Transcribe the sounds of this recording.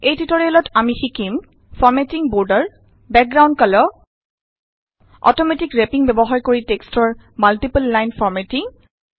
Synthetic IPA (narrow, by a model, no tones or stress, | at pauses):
ejtitoɹiɔlɔtamixikim | fʰɔɹmɛtiŋbɔɹdəɹ | bɛk̚ɡɹawndkɔlɔ | ɔ̰tɔmɛtikɹepiŋbɛbɔɦaɹkoɹitekstɔɹ | maltipulːajnfɔɹmɛtiŋ